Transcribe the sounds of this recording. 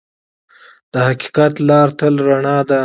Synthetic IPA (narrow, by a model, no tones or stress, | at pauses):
d̪̥əhaqi̥qat̪lɑːɾt̪əlɾaɳɑd̪a